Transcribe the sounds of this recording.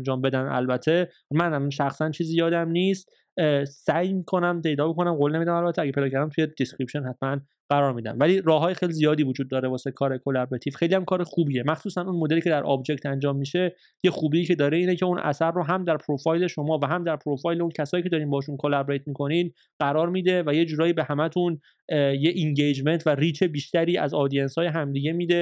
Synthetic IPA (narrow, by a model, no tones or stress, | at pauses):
ænd͡ʒɒːmbe̞d̪ænæ̰lbæt̪ʰːe̞ | mænmʃæxsænt͡ʃʰiːzijɒːd̪æmniːst̪ | sæjmiːkʰonæmt̪ʰe̞jd̪ɒːbokʰo̞næmɢolnemiːd̪æmælbæt̪ʰːeæɡʲee̞jd̪ɒːcʰæɾd̪æmt̪ʰuje̞d̪̥eskɾipʃonhæt̪ʰmæn | ɢ̥æɾɒːɾmiːd̪æ̰mvæliːɾɒːɦɒːjexejlizijɒːd̪iːvod͡ʒuːd̪ːɒːɾe̞vɒːsekʰɒːɾekʰolæbɾet̪ʰiːfxe̞jlijæmkʰɒːɾexuːbiːemæxsuːsænunmod̪e̞liːcʰe̞d̪æɾʔɒ̰bd͡ʒe̞ct̪ænd͡ʒɒːmːiːʃe̞ | jexuːbiːcʰe̞d̪ɒːɾe̞iːnecʰeunʔæ̰særːoɦæmd̪æɾpʰɾofɒːjle̞ʃo̞mɒːvæɦæmd̪æɾpʰɾofɒːjleuncʰæsɒːjicʰe̞d̪ɒːɾimbɒːʃ̬unkʰolæbɾejt̪miːkʰo̞niːn | ɢ̥æɾɒːɾmiːd̪e̞væje̞d͡ʒuːɾɒːjiːbe̞hæmæt̪ʰun | jeʔiŋɟejd͡ʒme̞nt̪ʰværiːt͡ʃʰe̞biːʃt̪æɾiːæ̰zɒːd̪ijenshɒːjeɦæmd̪iɟe̞miːd̪e̞